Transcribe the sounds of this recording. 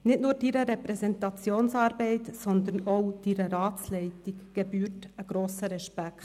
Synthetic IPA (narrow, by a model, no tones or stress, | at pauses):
nɪtnʊːɾd̥iɾəɾɛpɾɛzɛntɑt͡sjoːnsɑːɾbɛɪtsɔnd̪ənoʊd̥iɾəɾɑːt͡slɛɪtikɡ̥ɛbyːrtəɡ̥ɾoːsəɾɛʃpækt